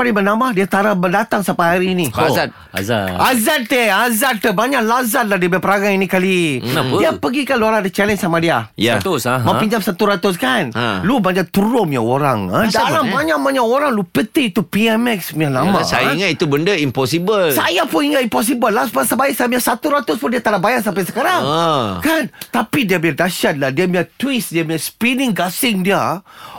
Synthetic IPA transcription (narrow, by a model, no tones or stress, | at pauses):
padibənamahdiat̪aɾabədat̪aŋsapaɦaɾiːniat̪ | azaazat̪̚t̪əazat̪̚t̪əbaɲaʔlazat̪̚lahdiabajpəɾaɡaŋinĩkalidiapəɡikanluaɾaŋadat͡ʃɛlɛ̃nsamadiajaat̪usmãpiɲd͡ʒamsat̪uɾat̪ʊskanlubaɲat̪uɾʊmjaoɾa̰ŋaalabaɲaʔ̚maɲaʔoɾaŋlupət̪ɪit̪upiɛmɛksmialamasajaiŋat̪it̪ubəndəimpɔsibəlsajapʊŋiŋat̪impɔs̬ibəlːasbasabajɛʔsajamiasat̪uɾat̪ʊspʊndiat̪əlahbajasampajsəkaɾaŋkant̪apidiabiadaʃat̪̚ladiamiat̪wisdiamĩaspinɪŋɡasɪŋdiə